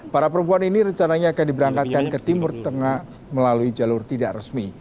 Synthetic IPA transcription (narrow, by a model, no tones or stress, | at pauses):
paɾapəɾəmpuaniniɾəɲt͡ʃanaɲaːkandibəɾaŋkat̪̚kankət̪imʊrt̪əŋah | məlaluid͡ʒalʊrt̪idaʔrəsmi